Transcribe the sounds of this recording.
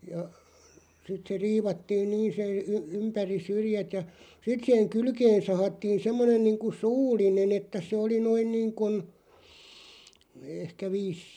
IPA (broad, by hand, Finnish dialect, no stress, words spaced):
jɑ sit se riːʋɑtːiːn niːn se y ympæri syrĭjæt jɑ sit sih̆eŋ̆ kylkeːn̞ sɑhɑtːiːn semːonen niːŋku suːlˑinen etːæ se oli noin niːŋkun ehkæ ʋiːs